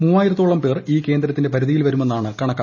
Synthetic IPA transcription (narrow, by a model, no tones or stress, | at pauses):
muːaːjiɾɐt̪ːoːɭɐmpe̞ːriːke̞ːnd̪ɾɐt̪ːinde̞pɐɾuðijilʋɐɾume̞nːaːɳɨkɐɳɐkːa